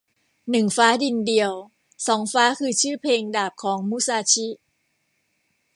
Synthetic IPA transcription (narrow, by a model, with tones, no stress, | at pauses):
nɯ˨˩ŋfaː˦˥di˧ndi˧əw | sɔː˩˦ŋfaː˦˥kʰɯː˧t͡ɕʰɯː˥˩pʰeː˧ŋdaː˨˩p̚kʰɔː˩˦ŋmu˦˥saː˧t͡ɕʰi˦˥